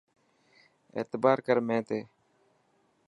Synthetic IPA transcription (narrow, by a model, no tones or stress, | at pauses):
ḛːt̪ɪbaːɾkəɾmɛ̃ːt̪eː